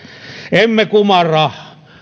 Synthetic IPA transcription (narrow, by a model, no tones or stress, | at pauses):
emːekumɑrɑ